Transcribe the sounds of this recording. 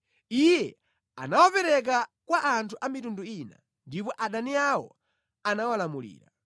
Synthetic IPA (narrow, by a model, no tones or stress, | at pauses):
ijɛ | a̰nawapɛɾɛk̬akwaʔːntʰuʔamitunduina̰ | ndipɔʔaɗaniawɔ̰ | anawalamulḭːɾa̰